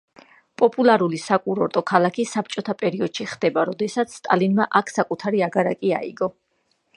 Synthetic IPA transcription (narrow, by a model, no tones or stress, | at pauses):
pʼɔpʼulˠaɾulisakʼuɾɔɾt̪ʼɔkʰalˠakʰisap̚ʰt͡ʃʼɔt̪ʰapʼɛɾiɔd̪̥ʃiχd̪̥ɛbaɾɔd̪ɛsat̪sʰst̪ʼa̰linmaʔakʰsakʼut̪ʰaɾiaɡaɾakʼia̰ḭɡɔ